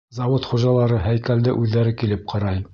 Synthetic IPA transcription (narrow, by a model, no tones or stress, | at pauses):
zɑwot̪χuʒɑlˠɑɾɤhæjkæld̪ɘʔʉðːæɾɘkilɘp̚qʰɑɾɑj